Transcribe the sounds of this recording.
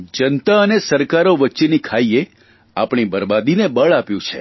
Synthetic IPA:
d͡ʒənt̪aənesəɾkaɾoʋətːʃenikʰaie | apɳ̃ibəɾbad̪inebəɭapjũt͡ʃʰe

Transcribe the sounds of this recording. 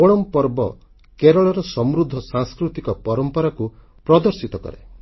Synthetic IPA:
oɽ̃ɔmpɔɾbɔ | keɾɔɭɔɾɔsɔmɾud̪ʱːɔsaŋskɾut̪ikɔpɔɾɔmpɔɾaku | pɾɔd̪ɔɾsit̪ɔkɔ̰ɾḛ

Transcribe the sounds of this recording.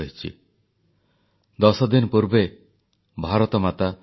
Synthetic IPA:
ɦit͡ʃʰḭ | d̪ɔsɔd̪inɔpuɾbe | bʱaɾɔt̪ɔmat̪a

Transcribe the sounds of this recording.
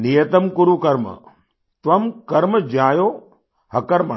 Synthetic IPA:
nijɐt̪ɐmkuɾukɐɾmə̰ | t̪ʋɐmkɐɾməd͡ʒaːjoː | hɐkɐɾmə

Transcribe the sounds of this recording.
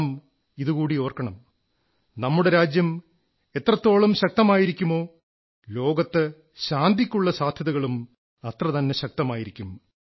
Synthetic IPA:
m | iðukuːɽio̞ːrkɐɳɐm | nɐmːuɽe̞ɾaːd͡ʑjɐm | e̞t̪ːrɐt̪ːo̞ːɭumɕɐk̚t̪ɐmaːjiɾikʲːumo̞ː | lo̞ːɡɐt̪ːɨ | ɕaːnd̪ʱikʲːuɭːɐsaːd̪ʱjɐðɐɣɐɭum | ɐt̪rɐt̪ɐnːeɕɐk̚t̪ɐmaːjiɾikʲːum

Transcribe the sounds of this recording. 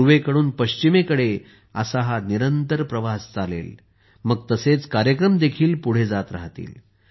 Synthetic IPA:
ʋekəɽuːnpəɕt͡ɕimekəɽe | ə̰saɦaniɾənt̪əɾpɾəʋast͡salḛl | məɡ̚t̪əset͡skaɾjəkɾəmd̪ekʰiːlpuɽ̤ed͡zat̪ɾa̰ɦt̪ḭːl

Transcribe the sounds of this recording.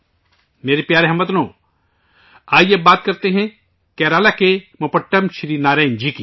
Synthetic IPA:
meːɾepjaːɾeɦɐmːət̪nõː | aːjebaːt̪̚kɐɾt̪eɦɛ̃ | kɛːɾaːlakemopɐʈːəmʃɾiːnaːɾãːnd͡ʒiki

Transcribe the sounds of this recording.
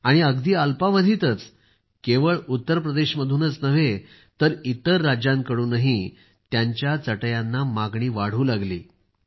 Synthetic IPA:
aɽ̃iəɡd̪iːalpaʋəd̪ʱiːt̪ət͡s | keʋəɭut̪ːəɾpɾəd̪eɕməd̪ʱuːnət͡snəʋe | t̪əɾit̪əɾːad͡ʑãŋkəɽuːnaɦi | t̪jaɲt͡ɕjat͡səʈəjanːamaɡɳiːʋaɽ̤uːlaɡlḭː

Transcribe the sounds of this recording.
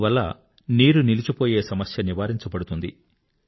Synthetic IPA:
ʋɐlːɐ̰ | niːɾunilit͡ʃupo̞ːje̞ːsɐmɐsjɐniʋaːɾiɲt͡ʃɐbɐɽut̪und̪ḭ

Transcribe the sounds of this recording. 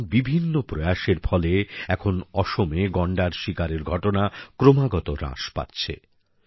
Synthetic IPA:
bibʱinːopɾojaʃeɾfʰɔleɛkʰonɔʃomeɡɔɳɖaɾʃikaɾeɾɡʱɔʈonakɾomaɡɔt̪oɾã̰ʃpa̰tːɕʰḛ

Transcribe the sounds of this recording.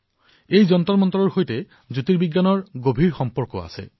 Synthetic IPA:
ejzɔnt̪ɔɹmɔnt̪ɔɹɔɹxojte | zutiɹbiɡːanɔɹɡobʱiɹxɔmpɔɹkɔ̰a̰sḛ

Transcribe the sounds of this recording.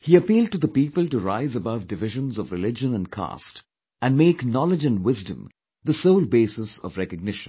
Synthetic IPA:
hiəpiːlɖ̚ʈɨd̪əpiːpəlʈuɾaɪzəbʌvdɨvɪʒə̃nzɔvɾɨlɪd͡ʒə̃nə̃nkʰa̰st | æ̃nmeːknɔlɪd͡ʒɨ̃nwɪzdə̃m | ðəsoʊlˠbeːsɪsɔ̰vɾɛkəɡ̚nɪʃə̃n

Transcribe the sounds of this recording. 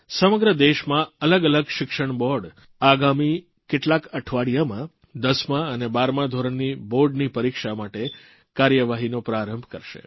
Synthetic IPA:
səməɡɾəd̪eʃmãələɡələɡʃɪkʃəɳbɔɾɖ | aɡami | keʈlakəʈʰʋaɽijamã | d̪əsmãənebaɾmãd̪ʱoɾəɳniboɾɖnipəɾikʃamaʈe | kaɾjəʋaɦinopɾaɾəmbʱkəɾʃḛ

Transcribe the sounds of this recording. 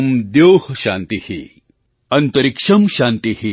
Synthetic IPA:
md̪joːhɕa̰ːnt̪ihḭ | ɐnt̪ɐɾikʂɐmɕãːnt̪ihi

